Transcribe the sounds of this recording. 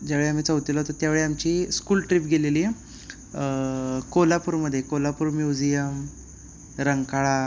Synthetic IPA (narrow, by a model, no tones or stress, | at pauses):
d͡ʑaʋeɭeam̤iːt͡səwt̪ilaɦot̪ot̪jaʋeɭeamt͡ɕiːskuːlʈɾiːpɡʱeleliː | kolapuːɾməd̪ʱːjekolapuːɾmjud͡ʑijəm | ɾəŋkaɭa